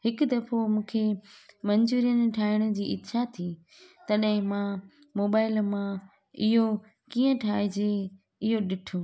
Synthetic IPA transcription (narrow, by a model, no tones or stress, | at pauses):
hɪkʊd̪ɐfomũːkʰemɐɲd͡ʑuːɾijənɪ̆ʈʰaːɪɽ̃ʊ̆d͡ʑiːʔɪt̪ʃat̪ʰiː | t̪ɐɗɦɪ̃mã | moːbaːɪlmã | ɪɦo | kiːə̃ʈʰaːɪd͡ʑe | ɪɦoɗɪʈʰo